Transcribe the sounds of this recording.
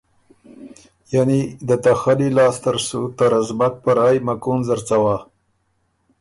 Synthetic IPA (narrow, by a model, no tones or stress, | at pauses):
janid̪ət̪axalilɑːst̪əɾsut̪əɾazbat̪̚pəɾɑjmakunzəɾt͡sawa